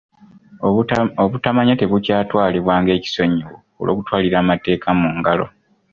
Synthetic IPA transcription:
oβutamaɲate̞βucaːtwaːliβwaːŋɡe̞ːci̥so̞ɲiwo | o̰lʔo̞ːkutwaːliɾaːmate̞ːkʰamuːŋɡalo̞̰

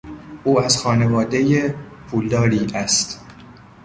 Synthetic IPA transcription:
ʔuːæzxɒːne̞vɒːd̪ejepʰuːld̪ɒːɾiːʔæst̪

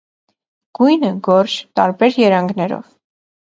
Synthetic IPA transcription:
ɡ̥ujnəɡɔɾt͡ʃt̪ɑɾbɛɾjɛɾɑŋɡnɛɾɔ̰v

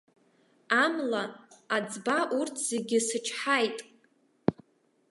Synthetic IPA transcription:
amlaːd͡zbaʔurtʰz̥eɡʲɪsɨt͡ʃʰħajtʼ

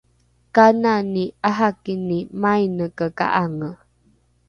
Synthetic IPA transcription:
kananiaɦakinimajnəkəka̰ʔaŋə

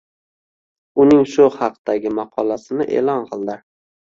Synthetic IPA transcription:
ʊnɪŋʃʊhɑqd̪̥aɡʲɪmɑqʰɒlasɪnɪʔe̞̰lɒnqʰɨlˠd̪ɪ

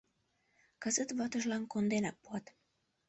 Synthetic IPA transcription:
kɤzət̪βɑt̪əʒlɑnkond̪enɑpːuɑt̪

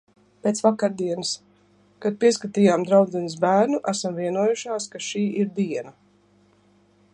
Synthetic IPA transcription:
peːt̪svakaɾd̪iɛnɨs | kad̪̚piɛskat̪iːjaːmd̪ɾawd̪zɛnis̬bæːɾnuʔæsamviɛnuɔjuʃaːskaʃiːʔiɾd̪iɛna

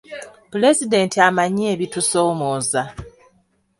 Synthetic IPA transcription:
pule̞zide̞ntiamaɲieːβitusoːmoːza

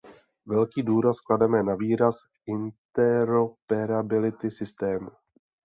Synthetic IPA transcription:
vɛlkiːduːɾaskladɛmɛnaviːɾas | ɪnt̪ɛɾopɛɾabɪlɪt̪ɪsɪst̪ɛːmu

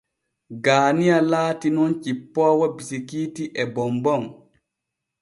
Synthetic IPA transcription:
ɡaːnijalaːtinɔnt͡ʃipːɔːwabisikiːtiʔɛbɔmbɔŋ

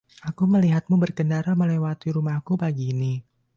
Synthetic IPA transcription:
ʔakuməliɦat̪̚mubərkəndaɾaməlɛwat̪iɾumahkupaɡiːni

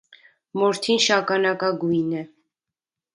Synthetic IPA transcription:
mɔɾt̪ʰinʃɑkɑnɑkɑɡujnɛ

